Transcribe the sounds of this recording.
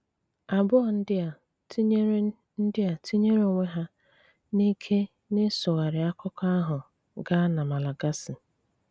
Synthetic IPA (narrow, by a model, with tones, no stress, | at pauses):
a˨bʊ˦ɔ˨n̩˦dɪ˦˨˦ | n̩˦dɪ˦a˨ti˦ɲe˦ɾo˨ŋʷe˦ɦa˦ | ni˦kʰe˦ | ne˦sʊ˨ɣa˨ɾɪ˨a˦kʰʊ˦ka˦ɦʊ˨ | ɡa˦na˨ma˨la˨ɡa˦sɪ˨